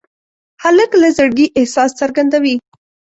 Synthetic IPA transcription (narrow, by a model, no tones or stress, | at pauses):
haləklazəɽɡiʔɪhsɑsːaɾɡand̪awi